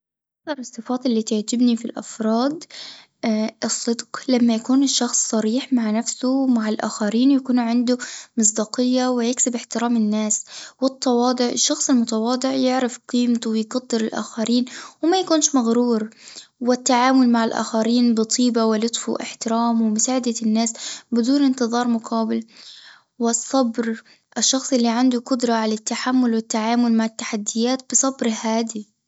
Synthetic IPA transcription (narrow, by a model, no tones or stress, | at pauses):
ʔakθɑɾˤɨsˤːɨfɑːt̪ˤɪlːiːt̪aʕt̪ɪbnifilʔa̰fɾˤɑːd̪ | ʔɨsˤːɨd̪qlamːajakuːnʃːɑxsːˤɑɾiːħmaʕnafsʊmaʕɪlʔa̰ːxaɾiːnjakuːnʕɪnd̪ʊmɨs̬ˤd̪ɑːqɪjːawɪjɪksɪbɪħt̪ɪɾaːmɪnːaːswɨt̪ˤːɑwɑːd̪ˤɨʕɪʃːɑxsˤɪlmʊt̪ɑwɑːd̪ˤɪʕjɪʕɾɪfqiːmt̪uwɪjɡɑd̪ˤːɪɾɪlʔa̰ːxaɾiːnwɪmajakuːnʃmaɣɾuːɾwɪt̪ːaʕaːmʊlmaʕɪlʔa̰ːxaɾiːnbɨt̪ˤʰiːbawɪlʊt̪ˤfṵʔɪ̰ħt̪ɪɾaːmwɪmʊsaːʕɪd̪anːaːsbɪd̪uːnɪnt̪ɨðˤɑːɾˤmʊqʰɑːbɪl | wɪsˤːɑbɾ | ʔɪʃːɑxsˤʔɪlːiʕand̪uqʊd̪ɾˤɑʕalat̪ːaħamːʊlwɪt̪ːaʕaːmʊlmaʕɪt̪ːaħad̪ːɪjːaːt̪̚b̥ɨsˤɑbɾhaːd̪i